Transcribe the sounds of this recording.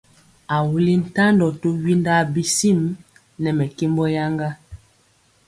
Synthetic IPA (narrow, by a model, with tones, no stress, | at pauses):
a˨wu˨li˦n̩˨ta˦ndɔ˨to˦wi˦nda˦bi˦si˦˨m | nɛ˨mɛ˨ki˦mbɔ˦ja˦ŋɡa˦